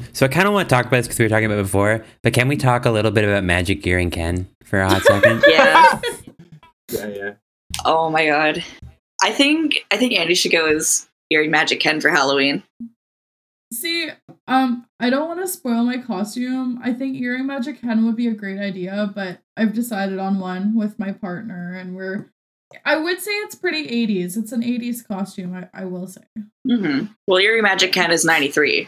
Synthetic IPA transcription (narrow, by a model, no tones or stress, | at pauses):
soʊaɪkʰãɪ̃dəwɑ̃nətʰɔkəbaʊt̪̚ðskʰʌzwiətʰɔkɪ̃ŋəbaʊt̚b̥ɨfɔɹb̥ʌt̚kɨ̃nwitʰɔkəlɪɾl̩ˠbɪɾɨbaʊt̚mæ̰d͡ʒɨk̚ɪɹɪ̃ŋkʰɛ̰̃n | fə˞ɨhɑtɛkɨ̃njæ | jæjæ | ʔoʊmaɪɡɑd̥ | ʔaɪθɪ̃ŋkaɪθɪ̃ŋkæ̃ndiʃɨɡoʊɪz̥ | ɪɹɪ̃ŋmæd͡ʒɨkʰɛ̃nfə˞hælˠoʊĩn | siʔʌ̃mʔaɪɾõʊ̃n̚wɑ̃nəspɔɪlˠmaɪkʰɔstʉ̃ma̰ɪθɪ̃ŋkiɹɪ̃ŋmæd͡ʒɨkʰɛ̃nwəd̚biɨɡɹeɪɾaɪdiɨbʌɾʔaɪvdɨsaɪɾɨɾn̩wʌ̃nwɪðmaɪpʰɑɹtⁿnə˞ɨ̃nwɪɹ | ʔaɪwɨd̥seɪɨtspʰɹ̥ɪɾiʔeɪɾizɨtsn̩eɪɾiz̥kʰɔstʉ̃maɪʔa̰ɪwɪlˠseɪm̩m̥m̩wɛlˠɪɹimæd͡ʒɨkʰɛ̃nɨznãɪ̃niθɹḭ